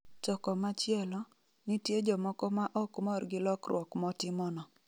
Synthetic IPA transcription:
t͡ʃɔkɔmat͡ʃjɛlɔ | nɪtjed͡ʒɔmɔkɔmaʔɔkmɔrɡɪlɔkrwɔkmɔtɪmɔnɔ

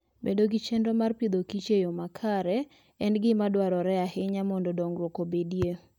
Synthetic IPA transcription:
bḛdoɡit͡ʃendomarpid̪okit͡ʃejomakʰaɾɛ | ɛnɡɪmadwaɾɔɾɛahɪɲamɔndodɔŋɡɾwokobedje

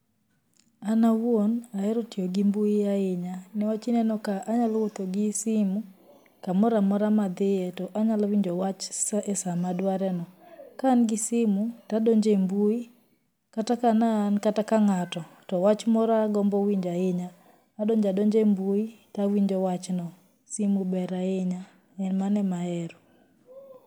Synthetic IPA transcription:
anawwonaɛɾɔtioɡimbuijaɪɲanɛwat͡ʃinɛnɔkaʔaɲalwot̪ɔɡɪsimu | kamɔɾamɔɾamad̪ɪɛtɔʔaɲalwiɲd͡ʒɔwat͡ʃsɛsamadwaɾɛnɔkanɡɪsɪmutadɔɲd͡ʒembui | katakanankatakaŋatɔtɔwat͡ʃmɔɾaɡɔmbɔwiɲd͡ʒaɪɲaː | dɔɲd͡ʒadɔɲd͡ʒembuitawiɲd͡ʒɔwat͡ʃnɔ | simubɛɾaɪɲa | ɛnmanɛmaɛɾɔ

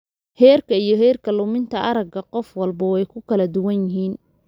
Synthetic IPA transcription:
hɛːrkʰɐijɞɦɛːrkʰɐlʊmɪnt̪ʰɐʔɐɾɐɡɐqɔfwɑlbɐwɛjkʰʊkʰɐlɐd̪ʊwɐnjɪɦiːn

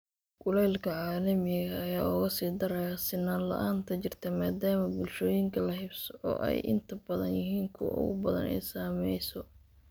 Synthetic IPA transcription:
ɡʊlɛlkʰɐʕaːlɐmɪɣɐːjaːʊɣɐsiːd̪ɐɾɛjɐsɪnɐlɐ̰ʔaːnt̪ʰɐt͡ʃɪrt̪ʰɐmaːd̪aːmɐbʊlʃɔːjɪŋkʰɐlɐɦɪbsʕɔ̰ʔɛ̰jʔɪ̰nt̪ʰɐbɐðɐnjɪɦiːŋkʰʊ̰ʊ̰ɣʊ̰bɐðɐ̰nɛ̰jsaːmɛjsɔ

